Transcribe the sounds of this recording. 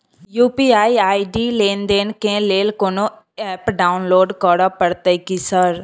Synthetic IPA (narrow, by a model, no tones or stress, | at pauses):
juːpiːaːiaːiɖiːleːnd̪eːnkẽleːlkoːno | ɛːpɖaːʊnloːɖkɔːɽapəɽt̪əikisəɾ